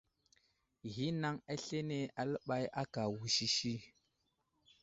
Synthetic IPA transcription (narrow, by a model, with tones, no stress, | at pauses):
ɣi˦na˦ŋa˦ɬe˦ne˦a˨lə˦ɓa˦ja˦ka˨wu˨ʃi˦ʃi˦